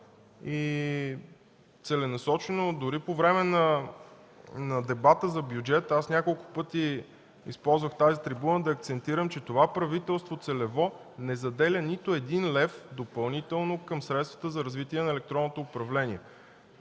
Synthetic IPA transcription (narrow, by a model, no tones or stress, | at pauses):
i | t̪sɛlɛnɐsɔt͡ʃɛnod̪ʊɾipovɾɛmɛnɐ | nɐd̪ɛbat̪əzɐbʲjud͡ʒɛt̪asnʲakolˠkʊ̥pɤt̪i | ḭspɔlˠzvəxt̪azit̪ɾibunəd̪ɐːk̚t̪sɛnt̪iɾəmt͡ʃɛt̪ovapɾɐvit̪ɛlˠst̪vot̪sɛlɛvɔ | nɛzɐd̪ɛlʲənit̪ʊɛd̪inlɛfd̪opɐlˠnit̪ɛlˠnokɤmsɾɛt̪st̪və̥t̪əzɐɾɐzvit̪iɛnɐɛlɛk̚t̪ɾɔnːot̪oːpɾɐvlɛnʲiɛ